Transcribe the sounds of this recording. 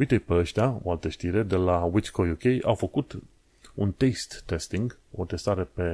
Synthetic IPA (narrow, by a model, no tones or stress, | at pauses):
ujt̪ejpeəʃt̪ʲao̞̰alt̪əʃt̪iɾe̞d̪e̞lawit͡ʃkʰojukʲejʔawfəkut̪ | unt̪est̪ːe̞st̪iŋɡ | o̞t̪e̞st̪aɾe̞pe̞